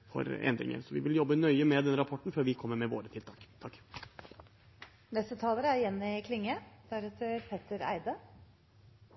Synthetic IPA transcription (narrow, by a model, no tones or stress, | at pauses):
fɔ̰ɾɛ̰nd̪ɾɪ̰ŋə̰ɾsɔʋɪʋɪljɔbːənœʏəmɛd̪ɛnəɾɑpʰɔʈɳ̩føːɾʋɪkʰɔmːəɾmɛʋoːɾət̪ʰɪlt̪ʰɑːkt̪ʰɑkː | nɛst̪ət̪ʰɑːləɾəæɾjɛnːəɪkʰlɪŋːəd̪æɾɛt̪ʰəɾpʰɛt̪ːəɾæ̰ɪd̪ə